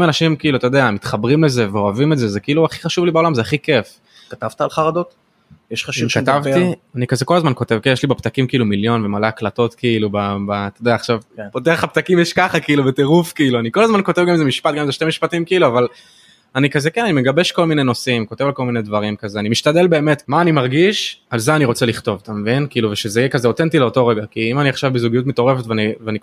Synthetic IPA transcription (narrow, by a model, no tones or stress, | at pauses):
manaʃimkiiluatajod̪eamit̪χabʁimleze̞veoavimetzezekiiluaχiχaʃuvlibaolamzeaχike̞f | kat̪avt̪aalχaʁad̪ot̪ | jeʃχaʃuvkat̪avtianikazeko̞lazmanko̞tevkejɛʃlibapt̪akimkiiːlumiljo̞nvemaleaklato̞tkiilubabat̪odejaːχʃavpot̪eχapt̪akimjɛʃkaχakiiːlubeteʁufkiiluanikolazmanko̞tevɡamezemiʃpat̚ɡamezeʃtemiʃpatimkiiluaval | anikazekenanimeɡabe̞ʃko̞lmineno̞simko̞t̪e̞valkolminedvaʁimkazeanimiʃt̪ade̞lbe̞ːme̞tmaːnimaʁɡiʃalzeaniʁo̞t͡seliχto̞vt̪amevinkiiːluveʃezeijekazeot̪ent̪̬ileotoʁeɡakiimaniaχʃavbezuɡijut̪̬meto̞ʁefet̪veanivani